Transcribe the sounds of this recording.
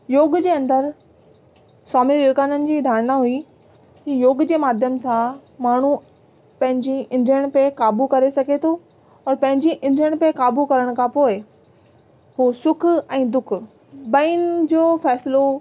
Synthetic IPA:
joːɡd͡ʑeːɐ̃nd̪əɾ | saːmiɾjoːɡaːnənɪ̆d͡ʑiːd̪ʱaːɾnaɦui | kijoːɡd͡ʑeːmaːd̪ʱjəmsãmaːɳ̤u | pɐ̃ɦɪ̃ɲd͡ʑiʔɪ̃nd̪ʱɾiəɽ̃pekaːbukɐɾesɐɡʱet̪ʰo | ɔːɾpɐ̃ɦɪ̃ɲd͡ʑiʔɪ̃nd̪ʱɾjəɽ̃pekaːbukɐɾəɽ̃kʰãpoːɪ | ɦusʊkʰɛ̃ːd̪ʊk̆ʰ | bɐind͡ʑoːfɛːslo

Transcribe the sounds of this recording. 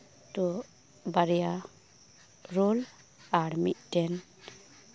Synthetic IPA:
t̪u | baɾja | ɾul | aɽmḭʔ̚tɛn

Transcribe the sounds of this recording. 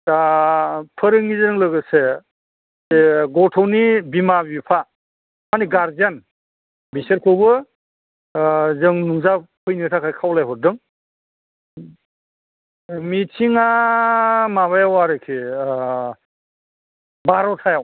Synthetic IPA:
a | pʰɯɾɯŋizɯɾɯŋlɯɡɯse | eɡɔtʰɔwnibimabipʰa | maniɡaɾzan | biset̚kʰɯbɯ | zɯŋnuŋzapʰɯjnitʰakʰajkʰawlajɦɔdɯŋ | mitʰiŋa | maβajawaɾɯkʰi | baɾɔtʰajaw

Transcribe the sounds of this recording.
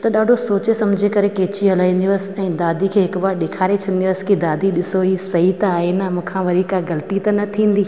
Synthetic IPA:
t̪ɐɗaːɖʱosoːt͡ɕesɐmd͡ʑʱekɐɾekeːt͡ɕiɦɐlaːĩːn̆d̪ijəsɛ̃ːd̪aːd̪ʱikʰeːɦɪkʋaːɾɗekʰaːɾet͡ɕʰɐ̃n̆d̪iʊəskid̪aːd̪ʱiɗɪsoɦisɐɦit̪ɐaːɦenɐmũːkʰãʋɐɾikaɡɐlət̪it̪ɐnɐt̪ʰĩːn̆d̪iː

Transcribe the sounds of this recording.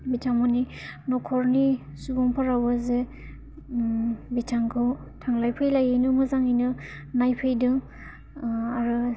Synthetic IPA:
bitʰaŋɔni | nɔkʰɔɾni | suɡɔŋpʰaɾawbaze | bitʰaŋkʰɯw | tʰaŋlajpʰɯjlajɯnɯmɯzaŋijnɯ | najpʰɯjdɯŋ | aɾɯ

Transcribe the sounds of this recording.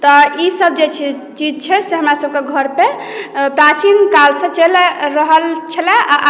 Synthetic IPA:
t̪ɔisəb̚d͡ʒet͡ʃʰ | t͡ʃid͡ʒt͡ʃʰɛseɦəmɾasəb̚keɡʱəɾpe | pɾat͡ʃinkalsə̃t͡ʃelɾəɦəlt͡ʃʰəlaʔa

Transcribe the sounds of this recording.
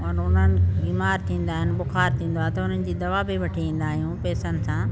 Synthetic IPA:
ɔnʊn̤ənɪ̆biːmaːɾt̪ʰĩːn̆d̪aːɦɪnɪ̆ɓʊxaːɾt̪ʰĩːn̆d̪oaːt̪ɐʊn̤ənɪ̆d͡ʑiːd̪ɐʋaːbiʋɐʈʰiʋĩːn̆d̪aːɦijũpɛːsənɪ̆sãː

